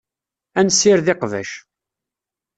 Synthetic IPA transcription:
ænsːɪɾðɪqvæ̰ʃ

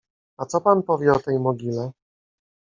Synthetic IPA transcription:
at̪sɔpanpɔvʲjɛɔt̪ɛjmɔɡʲilɛ

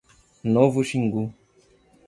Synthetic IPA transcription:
novuʃiŋɡu

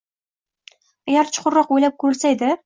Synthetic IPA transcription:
aɡʲaɾt͡ʃʰʊ̥qʰʊɾːɒqojlap̚kʰʊɾɪlsaed̪ɪ

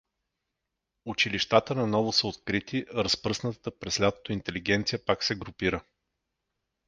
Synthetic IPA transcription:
ut͡ʃiliʃt̪at̪ənɐnɔvʊsəot̪̚kɾit̪ʰiʔɾɐspɾɤsnət̪t̪əpɾɛslʲat̪o̥t̪int̪ɛliɡɛnt̪sijəpaksɛɡɾʊpiɾə

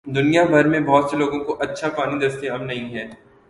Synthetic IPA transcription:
d̪ʊnijabʱɐɾmẽbɔːt̪seloːɡõkoʔɐtːʃʰapaːnid̪ɐɾəst̪eɐbnɐɦĩɦɛː

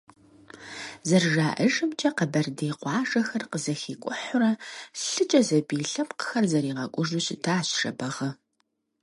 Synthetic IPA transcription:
zɐrʒaːʔɐʒɨmt͡ʃʼɐqəbɐrdeːqʷɑːʒɐxɐrqəzɐxiːkʷʼʊħʊɾɐɬɨt͡ʃʼɐzɐbiːɬɐpqə̥xɐrzɐɾiːʁɐkʷʼʊʒʊɕʼtʰaːɕʃɐ̰bɐʁɐ

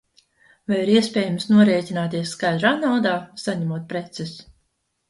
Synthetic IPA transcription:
vajiɾiɛsʲpʲɛːjamsnuɔɾɛːt̪ʲinaːt̪iɛsːkajd̪ɾaːnawd̪aːsaɲɛmuɔt̪̚pɾet̪sɛs

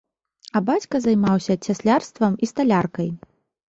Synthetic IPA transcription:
ɐbat͡sʲkɐzɐjmawsʲɐt͡sʲasʲlʲarst̪vɐmist̪alʲarkɐj

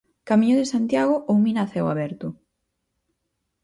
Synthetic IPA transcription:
kamiɲoðesant̪jaɣ̞ʊʔowminaθɛwa̰βɛɾt̪ʊ

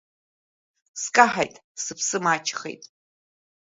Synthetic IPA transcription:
skʼaħajtʼsɨpʰsɨmat͡ʃʰχḛjtʼ

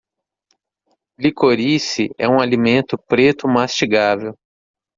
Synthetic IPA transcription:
likoɾisiɛ̰ũalimẽnt̪ʊpɾet̪ʊmast͡ʃiɡavew

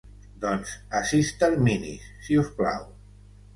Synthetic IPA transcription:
d̪ɔnzasist̪alminḭsːiuspla̰w

